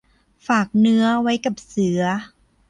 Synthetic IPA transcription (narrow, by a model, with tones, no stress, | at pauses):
faː˨˩k̚nɯ˦˥ɐwa˦˥jka˨˩p̚sɯ˨˩˦ɐ